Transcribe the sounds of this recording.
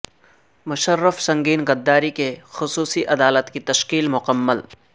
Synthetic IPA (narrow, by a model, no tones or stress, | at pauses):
mʊʃəɾːəfsɐ̃ŋɡiːnɡɐd̪ːaːɾikexʊsuːsiʔɐd̪aːlət̪kit̪ɐʃkiːlmʊqəmːəl